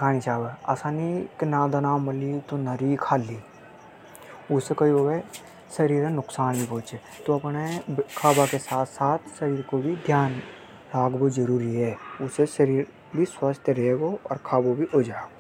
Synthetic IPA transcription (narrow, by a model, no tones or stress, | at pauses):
kʰaːnisaːbaa̰ːsaːniknaːd̪ənaːmɐlit̪onəɾikʰaːli | ʊsekɐioːɡe | ʃɐɾiːɾẽnʊksaːnbipõːt͡ʃe | t̪oɐpnekʰaːbakesaːt̪ʰsaːt̪ʰʃəɾiːɾkobʱid̪ʱjaːn | ɾaːɡbod͡ʒəɾuːɾiɦɛːʊseʃəɾiːɾ | bʱiswəst̪ʰɾeːɡoɔ̰ːɾkʰaːbobʱiʔoːd͡ʒaːo